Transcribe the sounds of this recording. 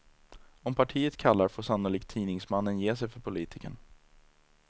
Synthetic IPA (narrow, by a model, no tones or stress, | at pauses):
ɔmpʰaʈʰiːət̪kʰalːaɾfoːʂanʊliːk̚t̪ʰiːnɪŋsmanːənjeːsɛjfœɾpʰʊliːt̪ʰɪkə̰ɳ